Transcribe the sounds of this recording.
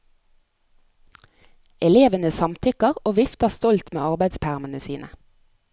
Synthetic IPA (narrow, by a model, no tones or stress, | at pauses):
ɛleːʋənəsɑmt̪ʰʏkəʁoːʋɪft̪əst̪ɔlt̪mḛːɑʁbæɪd̪spʰæʁmənəsiːnʔə